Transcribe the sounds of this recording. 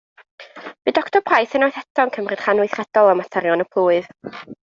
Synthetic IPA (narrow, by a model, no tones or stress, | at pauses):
b̥ɨdɔktʰɔbrajθɪnɔjθɛtʰɔnkʰəmrɨd̥χanʊθrɛd̥ɔlˠəmatʰɛɾjɔnəpʰlˠuːɨð